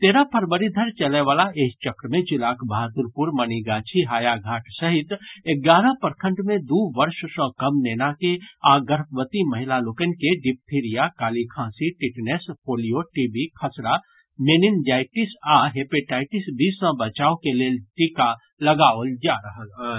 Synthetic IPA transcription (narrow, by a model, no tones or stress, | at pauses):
t̪eːɾapʰəɾbəɾid̪ʱəɾt͡ʃɐleʋaːlaeːkt͡ʃɐkɾəmẽd͡ʒɪlaːkʰbaɦat̪uɾpuɾməɐniɡaːt͡ʃʰiɦaːjaɡʱaːʈsɐɦɪt̪eɡaːɾə̃pɐɾkʰə̃ɳʈmẽd̪uːʋɐɾʃsə̃kɐmneːnakeaːɡəɾpʰʋət̪imɐɦɪlaloːkənkeɖɪp̚ʈʰiːɾijakaːlikʰãːsiʈɪʈnespʰoːlijoʈiːbikʰɐsɾa | meːnind͡ʒaːɪʈɪsaɦeːpeʈaːɪʈɪsbʱisə̃bət͡ʃaːokeleːlʈika | lɐɡaːold͡ʒaːɾəɦəl